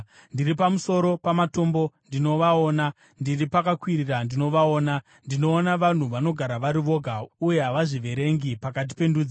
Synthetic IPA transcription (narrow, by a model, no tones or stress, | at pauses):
ndiripamuso̞ɾo̞pamato̞mbo̞ndino̞ʋaoːna | ndiripakakwirirandino̞ʋao̞ːna | ndino̞ːnaʋan̤uʋano̞ɡʱaɾaʋaɾiʋo̞ɡʱauje̞ɦaʋaʐiʋe̞ɾe̞ŋɡipakat̬i̥pe̞ndud͡za